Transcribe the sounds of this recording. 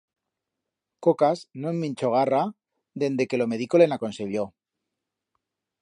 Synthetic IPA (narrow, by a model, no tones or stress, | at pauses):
ko̞kasnoemːĩnt͡ʃo̞ɣ̞ara | d̪e̞nd̪e̞ke̞lo̞me̞ðiko̞le̞nako̞nse̞βjo̞